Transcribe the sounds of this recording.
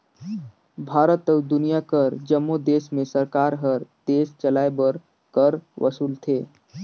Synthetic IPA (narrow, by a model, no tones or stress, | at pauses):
bʱaɾət̪əwd̪unijakəɾd͡ʒəmːod̪esmẽsəɾkaɾɦəɾt̪est͡ʃəlaebəɾ | kəɾʋʔə̰suːlt̪ʰe